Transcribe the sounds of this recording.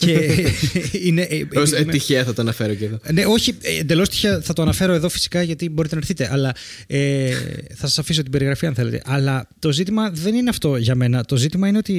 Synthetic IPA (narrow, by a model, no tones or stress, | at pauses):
ce | ineʔosmt̪içeɐθɐt̪oɐnɐfeɾoceðone̞o̞çind̪e̞lo̞st̪i̥çeɐθɐt̪oɐnɐfe̞ɾo̞eðo̞fi̥si̥kɐʝɐt̪iboɾit̪enɐɾθit̪e̞ʔɐlɐ | eθɐsɐsɐfisot̪ibe̞ɾiɣɾɐfiɐnθe̞let̪ḛʔɐlɐt̪o̞zit̪̬imɐðe̞nineɐft̪o̞ʝɐme̞nɐt̪o̞zit̪imɐine̞o̞t̪i